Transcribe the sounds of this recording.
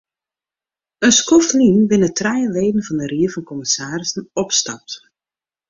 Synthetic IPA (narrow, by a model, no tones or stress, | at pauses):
ənskɔflinʋɪnətrɛjəʋeːdən̩vɑndəriəvɑnkɔmɪsaːrɪsn̩ɔpstɑ̰p̚t